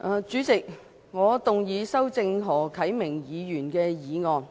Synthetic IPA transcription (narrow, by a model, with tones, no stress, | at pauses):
ʔaː˨˧t͡ʃyː˨˥t͡sɪ˨k̚ | ŋɔː˨˧t̪ʊ˨ŋjiː˨˧sɐ˥wt͡sɪ˧ŋɦɔː˨˩kʰɐ˨˥jmɪ˨˩ŋjiː˨˧jyː˨˩nkɛː˧jiː˨˧ŋɔː˨n